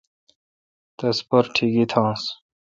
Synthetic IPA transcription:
t̪ɐspɐɾʈʰiɡit̪ʰãːs

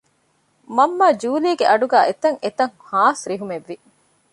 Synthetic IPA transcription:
mɐmːaːd͡ʒuːliːɡeʔɐɖuɡæːʔet̪ɐŋʔet̪ɐŋhaːsɾiɦumeʋːi

